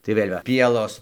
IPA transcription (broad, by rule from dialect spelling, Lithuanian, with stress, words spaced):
tɐɪ ˈʋʲeːlʲ ʋɐ ˈpʲiɛlˠoːs